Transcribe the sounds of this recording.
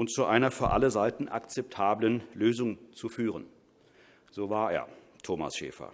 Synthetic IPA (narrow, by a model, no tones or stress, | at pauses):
ʔʊntt͡suʔaɪnɐfyːɐʔaləzaɪtn̩ʔa̰kt͡sɛp̚tʰaːblənløːzʊŋt͡sufyːʁən | z̥oːvaːɐḛːɐ | tʰoːma̰sʃḛːfɐ̰